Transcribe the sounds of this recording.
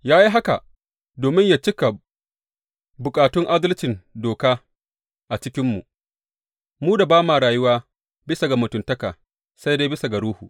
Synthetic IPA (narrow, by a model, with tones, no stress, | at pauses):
jaː˦ji˦ɦa˦ka̰˨ | doː˨mɪ˦ɲjaː˨t͡ʃɪ˦kɐ˨ | bʊ˨kʼaː˨tʊ˦ŋʔa˦dɐ˦lt͡ʃɪ˨ndoː˨kaː˦ | ʔa˨t͡ʃɪ˦kʲɪ˦mːu˨ | muː˦da˨baː˦maː˨ɽaː˨jʊ˦waː˦ | bɪ˦sa˨ɡa˨mʊ˨tʊ˨ntɐ˦kaː˨ | sa˦jdeː˦bɪ˦sa˨ɡa˨ɽuː˦huː˨ʔ